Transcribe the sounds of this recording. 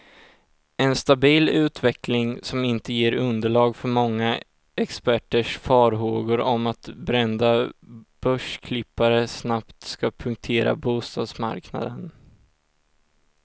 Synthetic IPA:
ɛnst̪abiːlʉ̟ːt̪vɛklɪŋsɔmɪnt̪əjeːɾɵnd̪əɭɑːɡfœɾmɔŋːa | ɛkspæʈːəʂfɑːɾɦoːɡʊɾɔmat̪bɾɛnd̪ab̥œʂkʰlɪpːaɾəsnapt̪skapʰɵŋk̚t̪ʰeːɾa̰buːst̪ɑ̰ːd̪sma̰ɾkna̰d̪ən

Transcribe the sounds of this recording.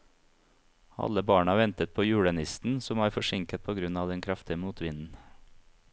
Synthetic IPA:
ɑ̰ləbɑːɳɑʋɛnt̪ət̪̚pʰoːjʉːɽənɪst̪n̩sʊmæːɾfɔʃɪŋkət̪̚pʰoːɡɾʉnɑːʋd̪ɛnkʰɾɑft̪ɪəmuːt̪ʰʋɪnn̩

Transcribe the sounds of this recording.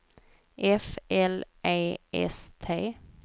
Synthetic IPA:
ʔɛfɛlʔeɪʔɛ̰st̪ʰeː

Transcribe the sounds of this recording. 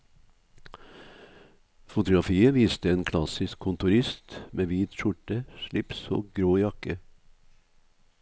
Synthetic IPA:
fʊt̪ʊɡɾɑfiːəʋiːst̪əeːnkʰlɑsɪskʰʊnt̪ʊɾɪst̪mʔeːʋiːt̪ʃʊʈəʃlɪpso̰ːɡɾoːjɑkə

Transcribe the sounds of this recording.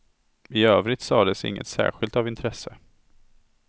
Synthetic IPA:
ɪøːvɾɪt̪sɑːd̪ɛsɪ̰ŋːə̰t̪sæ̰ːɾɧɪlt̪avɪnt̪ʰɾɛsːə

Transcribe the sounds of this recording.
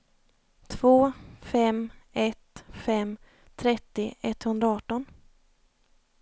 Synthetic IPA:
t̪ʰv̥oːfɛmɛt̪fɛm | t̪ʰɾɛt̪ːɪɛt̪ːhɵnd̪ɾaɑːʈːɔn

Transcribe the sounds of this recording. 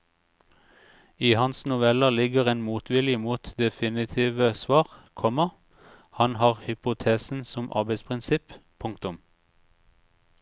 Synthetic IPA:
iːhɑnsnʊʋɛləlɪɡəʁeːnmuːt̪ʰʋɪljəmuːt̪d̪ɛfɪnɪt̪ʰiːʋəsʋɑːʁkʰɔmə | hɑnhɑːʁhʏpʊt̪ʰeːsn̩sɔmʔɑ̰ʁbɛɪspʰʁɪnsɪppʰʊŋk̚t̪ʊm

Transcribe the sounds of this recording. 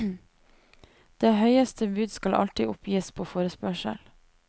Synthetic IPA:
d̪̥eːhœʏəst̪ʰəbʉːd̪skɑlʔɑ̰lt̪ɪʔʊpʰjiːspʰoːfoːɾəspœʃə̰l

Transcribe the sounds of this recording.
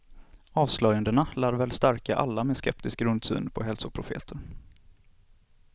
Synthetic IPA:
ɑːvslœjənd̪əɳalæːɾvɛːlst̪æɾkaʔa̰lːamɛskɛ̰p̚t̪ɪsk̚ɾɵnd̪sy̰ːnpʰɔɦɛlsʊpʰɾʊfḛːt̪ʰəɾ

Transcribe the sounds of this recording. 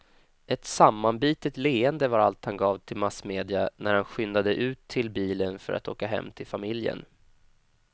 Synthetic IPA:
ʔɛt̪samːanbiːt̪ət̪leːənd̪əvaɾalt̪hanɡɑːvt̪ʰɪlmasmeːd̪ɪanæɾhanɧʏnd̪ad̪əʔʉ̟ːt̪ʰːɪlbiːlənfœ̰ɾa̰t̪o̰ːkaɦɛ̰mːt̪ʰɪlfamɪljə̰n

